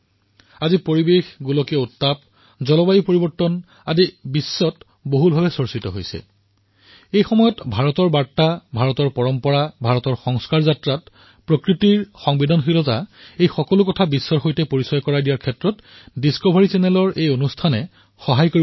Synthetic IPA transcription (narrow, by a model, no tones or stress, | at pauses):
azipoɹibexɡulɔkiɔutːap̚ | zɔlɔbajipoɹibɔɹtːɔn | adibisːɔt | boɦubʱabɛsoɹsitɔ̰ɦojsɛ̰ | ejxɔmɔjɔtbʱaɹɔtɔɹbaɹtːabʱaɹɔtɔɹpɔɹɔmpɔɹabʱaɹɔtɔɹxɔŋskaɹzatɹat | pɹokɹitiɹxɔŋbidɔnɦilɔzaejxɔkɔlʊkɔtʰabisːɔɹxojtɛpoɹisɔjkɔɹadijaɹkʰɛtɹɔt | diskobʱaɹisɛnɛlɔɹejonustʰanɛ | xɔɦajkoi